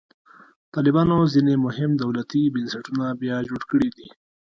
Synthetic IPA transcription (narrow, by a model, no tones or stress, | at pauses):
t̪ɑlɪbɑnozinemʊɦɪmd̪awlat̪ibənsaʈunabjɑd͡ʒoɽkəɽid̪i